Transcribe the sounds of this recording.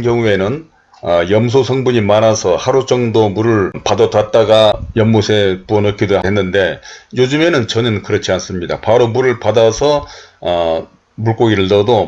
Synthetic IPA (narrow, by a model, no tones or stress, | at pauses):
kjʌŋue̞nɯn | ʌjʌms̬ʰosʰʌŋbuɲimanasʰʌhaɾot͡ɕʌŋdomuɾɯɭpadʌdwat̚t͈aɡajʌmːosʰe̞puʌnʌkʰidoɦenːɯnde̞jod͡ʑɯme̞nɯnt͡ɕʌnɯnkɯɾʌt͡ɕʰians͈ɯmɲidapaɾomuɾɯɭpadasʰʌʌ | muɭk͈oɡiɾɯɭtʌdo